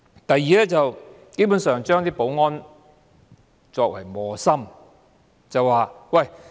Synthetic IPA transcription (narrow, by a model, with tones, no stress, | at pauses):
t̪ɐ˨˧jːiː˨lɛː˥t͡sɐ˨w | ke˥jpu˨˥nsœː˨ŋt͡ʃœː˥ŋt̪iː˥po˨˥wŋɔː˥n | t͡sɔː˧k̚wɐ̰˨˩jmɔː˨sɐ˥m | t͡sɐ˨waː˨wɐ˨˩j